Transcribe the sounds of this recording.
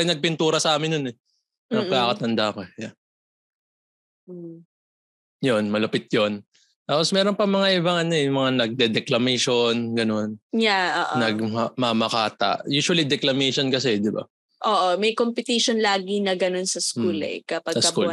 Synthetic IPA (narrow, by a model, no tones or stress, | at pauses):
ɪjnɐɡ̚pɪnt̪uːɾɐsɐʔaːmɪnːonɛ | nɐkaːkɐt̪ɐnd̪akɐja | jonmɐlɐpɪt̪̚jon | t̪aːposmɛːɾo̞npɐmɐŋaʔɪbɐŋʔɐnoɛʊmɐŋanɐɡ̚d̪ɛd̪ɛklɐmɛʃonɡɐno̞njao̰ːʔnɐɡ̚mɐmɐmɐkaːt̪ɐ̰ʔjuːʃʊɐlid̪ɛklɐmɛʃonkɐsɛd̪ɪba̰ | ʔoːʔomɐjkompɪt̪iʃonlaːɡinɐɡɐno̞nsɐskulɛ̰kɐpɐɡsɐsɐku